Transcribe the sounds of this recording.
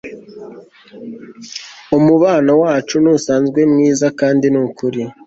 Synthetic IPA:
omuβaːnawaːt͡ʃunuːsaːnzɡwe̞mŋiːzakaːndinukuɾi

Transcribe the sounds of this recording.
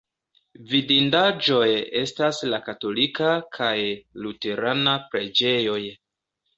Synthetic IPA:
vidindad͡ʒo̞je̞staslakato̞likakʰajlute̞ɾanapɾe̞d͡ʒe̞jo̞j

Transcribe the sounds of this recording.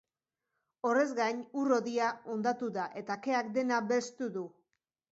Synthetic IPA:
o̞re̞zɡaɲuro̞ðiao̞nd̪at̪uðaʔe̞t̪ake̞ak̚d̪e̞naβe̞st̪uðu

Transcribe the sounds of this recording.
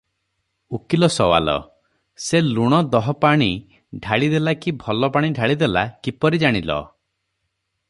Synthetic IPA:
ukilɔsɔwa̰lɔ̰ | seluɽ̃ɔd̪ɔɦɔpaɽ̃i | ɖʱaɭid̪elakibʱɔlɔpaɽ̃iɖʱaɭid̪elakipɔɾid͡ʒaɽ̃ilɔ̰

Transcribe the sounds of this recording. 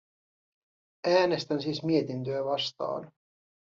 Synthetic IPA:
æːne̞st̪ænsiːsmie̞t̪int̪øæʋɑst̪ɑ̰ːn

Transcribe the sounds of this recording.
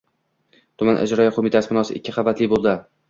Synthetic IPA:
t̪ʰʊmanʔa̰d͡ʒɾɒjaqʰomɪt̪ʰasɪbɪnɒsɪʔɪ̰kʲʰːɪqɑvbat̪lɪbolˠd̪ɪ

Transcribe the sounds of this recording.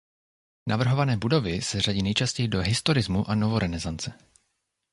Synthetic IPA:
navr̩ɦo̞vanɛːbudo̞vɪsɛraɟiːnɛjt͡ʃascɛjɪdo̞ɦɪst̪oɾɪzmuʔanovo̞ɾʔɛnɛzant͡sɛ

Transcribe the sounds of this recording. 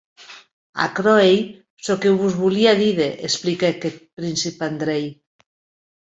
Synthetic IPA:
a̰kɾoej | sokewβuzβuliaðiðeʔesplikeket̪̚pɾinsipand̪ɾej

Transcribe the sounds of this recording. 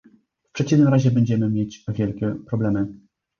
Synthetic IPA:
fpʂɛt͡ɕivnɘmɾaʑɛbɛɲd͡ʑɛmɘmʲjet͡ɕvʲjɛlkʲɛpɾɔblɛmɘ

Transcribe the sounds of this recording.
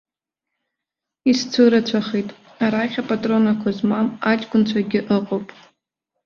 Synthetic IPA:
ist͡sʷʰɨɾat͡ɕʷʰaχejtʼ | aɾaχʲapʼatʼro̞nakʷʰazmamat͡ʃʼɡʷʊnt͡ɕʷʰaɡʲɪʔɨqʼowpʼ

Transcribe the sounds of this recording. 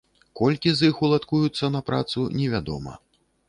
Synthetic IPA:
kɔlʲkʲizixulˠat̪kujut̪sːɐnɐpɾa̰t̪sunʲɛvʲad̪ɔ̰mɐ̰

